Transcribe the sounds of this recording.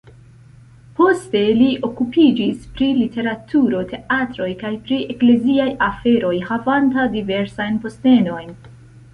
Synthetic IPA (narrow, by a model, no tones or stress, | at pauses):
po̞ste̞liʔo̞kupid͡ʒispɾilite̞ɾatʰuɾo̞tʰe̞ʔatɾo̞jkajpɾiekle̞ziajafe̞ɾo̞jhavantadive̞ɾsajnpo̞ste̞no̞jn